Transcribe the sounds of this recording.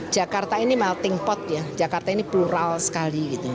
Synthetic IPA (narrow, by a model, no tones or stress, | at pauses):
d̥ʒ̥a̤kart̪ainimaat̪iŋpɔt̪̚jḁd͡ʒakart̪ainipluɾalsə̥kaliɡit̪u